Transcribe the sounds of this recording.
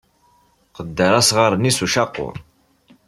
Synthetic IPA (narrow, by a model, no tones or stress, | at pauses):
qəd̪ːəɾˤasʁəɾˤnisuʃɑqːʊ̰ɾˤ